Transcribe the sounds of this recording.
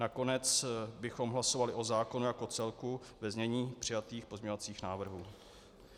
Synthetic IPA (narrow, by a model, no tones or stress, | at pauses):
nako̞nɛt͡sbɪxo̞mɦlaso̞valɪʔo̞zaːko̞nujako̞t͡sɛlku | vɛzɲɛɲiːpr̝̥ɪjat̪iːxpozɲɛɲo̞vat͡siːxnaːvr̩ɦuː